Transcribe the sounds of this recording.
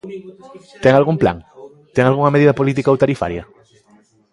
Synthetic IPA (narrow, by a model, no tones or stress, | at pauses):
t̪ɛŋalɣumpla̰ŋ | t̪ɛŋalɣuŋɐmeðiðɐpolit̪ikaowt̪aɾifa̰ɾjɐ